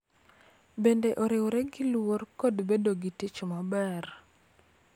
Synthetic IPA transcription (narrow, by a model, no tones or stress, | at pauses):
bendeʔɔɾɪwɾɛɡilworkodbedoɡitit͡ʃomabɛr